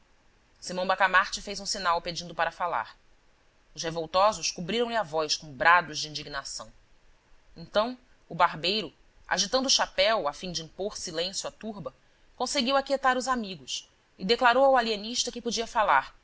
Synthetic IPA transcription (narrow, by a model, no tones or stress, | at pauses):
simɐ̃w̃bakamaɾt͡ʃɪfejzũsinawped͡ʒĩnd̪ʊpaɾɐfala̰ɾ | ʊʃhevowt̪ɔzʊʃkubɾiɾɐ̃w̃lɪavɔjskõbɾad̪ʊʒd͡ʒɪĩnd͡ʒiɡinasɐ̰̃w̃ | ẽnt̪ɐ̃w̃ | ʊbaɾbejɾʊ | a̰ʒit̪ɐ̃d̪ʊːʃapɛwafĩd͡ʒɪĩpoɾsilẽsjuat̪uɾbɐ | kõseɡiwakiet̪aɾʊzamiɡʊs | ɪd̪eklaɾowawalieniʃt̪ɐkɪpod͡ʒiɐfalaɾ